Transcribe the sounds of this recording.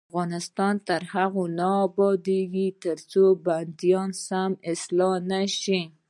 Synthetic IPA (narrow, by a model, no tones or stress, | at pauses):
aafɣɑnɪst̪ɑnt̪əɾhaɣonɑːbɑd̪eɡit̪əɾt͡soband̪ijɑnsamɪslɑnaʃi